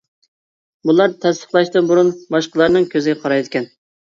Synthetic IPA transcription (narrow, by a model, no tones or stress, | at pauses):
bulˠɑɾt̪ʰɛst̪ə̥χlˠɑʃt̪ɨnbuɾunbɑʃqəlˠɑɾnɨŋkʲʰøzɪɡʲɛqʰɑɾɑjd̪ɪkʲɛn